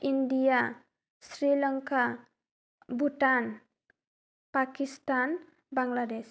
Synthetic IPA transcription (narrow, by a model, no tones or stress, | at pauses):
ʔindija | sɾiləŋka | buʈan | pakist̪an | baŋɡladɛs